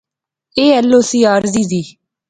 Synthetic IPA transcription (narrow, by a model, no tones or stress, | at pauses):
eːɛlːoːsiːaːɾziːziː